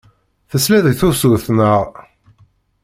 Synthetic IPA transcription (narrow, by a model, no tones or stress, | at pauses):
θəslæðəɡθusuθnəʁ